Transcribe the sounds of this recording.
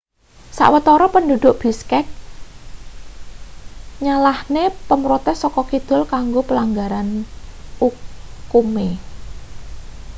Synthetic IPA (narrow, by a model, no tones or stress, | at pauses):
sa̰ʔwət̪ɔɾɔpəndud̪̥ʊʔb̥i̤skɛk̚ | ɲalahnepəmɾut̪esɔkɔkid̪̥ʊ̤lkaŋɡopəlaŋɡaɾan | ukume